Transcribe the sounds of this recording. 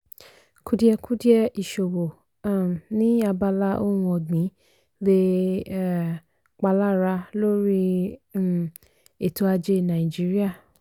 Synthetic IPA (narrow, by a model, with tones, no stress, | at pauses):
ku˦di˦ɛ˧ku˦di˦ɛ˧ʔi˨ʃo˨wo˨˦˨ | nĩ˦a˧ba˧la˦o˦ũ˧ɔ˨ɡ͡bĩ˨˦ | le˧˦˨ | k͡pa˧la˦˨ɾa˧lo˦ɾi˦ | e˨to˦a˧d͡ʒe˧nã˨i˨d͡ʒi˦ɾi˦a˦˨